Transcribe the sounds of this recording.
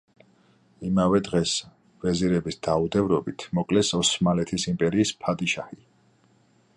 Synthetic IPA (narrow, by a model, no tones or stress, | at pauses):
imavɛd̪ʁɛs | v̥ɛziɾɛbisd̪̥aud̪ɛvɾɔbit̪ʰmɔkʼlɛsɔsmalɛt̪ʰisimpʼɛɾiːspʰad̪ʼiʃa̰hi